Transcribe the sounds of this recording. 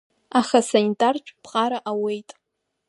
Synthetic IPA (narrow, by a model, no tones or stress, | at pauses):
aχasanitʼart͡ʃʷʼpʰqʼaɾaʔawe̞jtʼ